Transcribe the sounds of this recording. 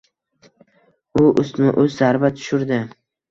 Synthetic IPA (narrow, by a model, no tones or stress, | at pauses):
ʊʔʊst̪mɪʔɵzːaɾbat̪ʰʊ̥ʃʊɾd̪ɪ